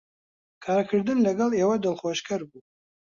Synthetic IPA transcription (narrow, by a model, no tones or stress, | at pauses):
kʰaːɾkʰɨɾd̪ɨnlɐɡɐleːwɐd̪ɐlˠχwɔʃkʰɐɾbu